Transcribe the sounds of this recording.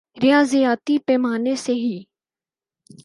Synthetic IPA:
ɾɪjaːzijaːt̪iːpɛːmaːneseɦiː

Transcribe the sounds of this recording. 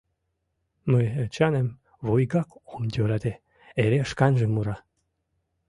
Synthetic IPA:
məjət͡ɕɑnem | vojɡɑkomd̪ʲøɾɑt̪e | eɾeʃkɑnʒəmuɾɑ

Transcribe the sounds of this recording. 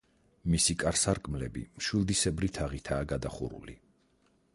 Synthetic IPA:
misikʼaɾsaɾkʼmlɛ̰bḭmʃwilˠd̪isɛbɾit̪ʰaʁit̪ʰaːɡad̪aχṵɾṵlḭ

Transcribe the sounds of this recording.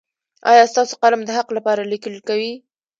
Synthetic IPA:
ɑ̰jɑst̪ɑso̥qalamd̪əɦaqlapɑɾalikəlkawi

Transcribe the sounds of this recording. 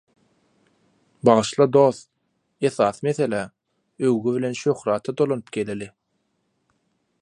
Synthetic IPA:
bɑʁɯʃlˠɑd̪o̞θ | e̞θɑːθɯme̞θe̞læ | øwɣyvile̞nʃøxɾɑːt̪ʰɑd̪o̞lˠonɯpɡe̞lili

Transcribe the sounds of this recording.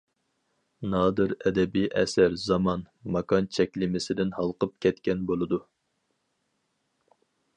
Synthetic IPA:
nɑːd̪ɨɾɛd̪ɛbijʔɛsæɾzɑmɑn | mɑkʰɑnt͡ʃʰɛkʲlɪmɪsɪd̪ɪnhɑlˠqəp̚kʲʰɛt̪kʲɛnbolˠɨd̪u

